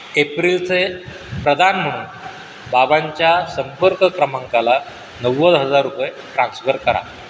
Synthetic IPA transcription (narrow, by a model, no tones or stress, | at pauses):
epɾilt͡sʰe | pɾəd̪ʱanm̤əɽ̃uːn | babaɲt͡ɕjasəmpəɾkəkɾəmaŋkala | nəʋːəd͡zɦəd͡zaɾːupəj | ʈɾãnsfəɾkəɾa̰